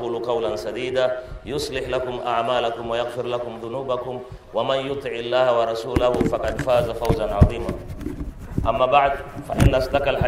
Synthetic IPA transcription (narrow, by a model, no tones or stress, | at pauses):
uːluqɑwlansad̪iːd̪ajʊsˤlɪħlakʊmʔaʕmaːlakʊmwajaɣfɪɾlakʊmðʊnuːbakʊm | wamanjʊt̪ˤɨʕɪlːaːhawɑɾˤɑsuːlahʊfaqɑd̪faːzafawzanʕɑðˤiːma | ʔamːaːbaʕd̪faʔɪnːasd̪akalħa